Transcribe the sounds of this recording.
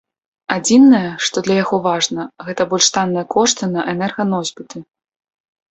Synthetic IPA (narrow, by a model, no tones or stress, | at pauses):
ad͡zʲinːɐjɐʂt̪ɔd̪lʲɐjaɣɔvaʐnɐɣɛt̪ɐbɔlʲʂt̪anːɨjɐkʰɔʂt̪ɨnɐʔɛnɛrɣɐnɔzʲbʲit̪ɨ